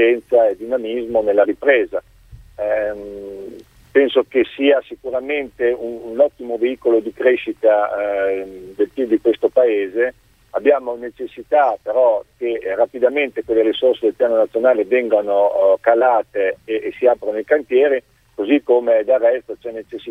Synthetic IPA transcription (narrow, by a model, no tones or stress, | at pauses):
ɛnt̪saed̪inamizmonelːaɾipɾeːza | pɛnsokesiːasikuɾament̪eunnɔt̪ːimoveiːkolod̪ikɾeʃit̪a | d̪elp̪id̪ikwest̪opaeːze | abːjaːmonet͡ʃesːit̪apeɾɔkerapid̪ament̪ekwelːeɾisorsed̪elpjaːnonat̪sːjonaːlevɛŋɡanokalaːt̪eːsiaːpɾonooikant̪jɛːɾi | kozikːomed̪alrːɛst̪ot͡ʃɛnet͡ʃesːi